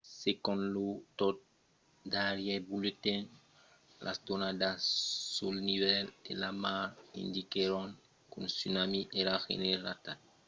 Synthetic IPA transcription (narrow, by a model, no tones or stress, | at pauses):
sekõnlut̪ot̪̚ | d̪aɾjebulet̪en | lʔa̰sd̪onad̪assulniβɛlḛlamaɾḭ̃nd̪ikeɾoŋ | kunsynamiʔeɾaxḛneɾlat̪at